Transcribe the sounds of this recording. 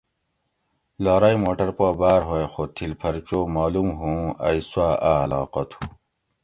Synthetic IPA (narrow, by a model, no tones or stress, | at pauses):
laːɾɐjmoːʈɐɾpoːbaːɾɦoexoːt̪ʰilpʰɐɾt͡ɕoːmaːlumɦũːɐ̰iswaːalɑ̰ːqɐt̪ʰu